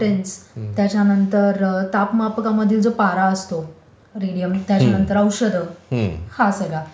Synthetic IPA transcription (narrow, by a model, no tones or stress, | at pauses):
ʈenst̪jat͡ɕanənt̪əɾt̪apmapkaməd̪ʱiːld͡zopaɾaəst̪o | ɾiɽijəmt̪jat͡ɕanənt̪əɾəwɕəd̪ʱəhasəɡɭa